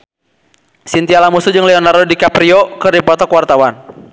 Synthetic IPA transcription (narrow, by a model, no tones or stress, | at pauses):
sint̪ialamusud͡ʒɨŋlɛɔnardɔdikapɾiɔkɨrdipɔt̪ɔkwart̪awan